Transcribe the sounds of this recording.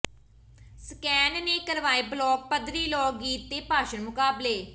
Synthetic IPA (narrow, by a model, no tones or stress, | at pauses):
skɛːnneːkəɾʋaːeːblɔːk̚pəd̪ɾiːlɔːk̚ɡiːt̪ːeːpaːʃənmʊkaːbleː